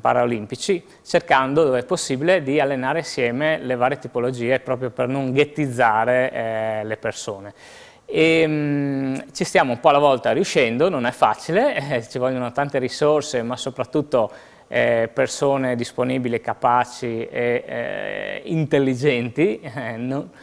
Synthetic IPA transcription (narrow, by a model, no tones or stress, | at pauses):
pa̰ɾaolimpit͡ʃi | t͡ʃerkand̪od̪oːveɛpːosːiːbiled̪ialːenaːɾesjɛːmelevaːɾjet̪ipolod͡ʒiːepɾɔːpɾjopernoŋɡet̪ːid̪zːaːɾelepersoːne | em | t͡ʃist̪jaːmoumpɔalavɔlt̪aɾjuʃɛnd̪ononɛfːa̰ːt͡ʃilet͡ʃivɔlʎːjonot̪ant̪eɾisorsemasopɾat̪ːut̪ːo | ɛpersoːned̪isponiːbilikapaːt͡ʃiḛ | ḭnt̪elːid͡ʒɛnt̪inon